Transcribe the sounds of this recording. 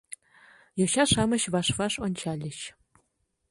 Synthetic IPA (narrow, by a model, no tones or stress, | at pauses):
joɕɑʂɑmɤ̆ɕvɑʂvɑʂonʲt͡ɕɑlʲːɘ̆ɕ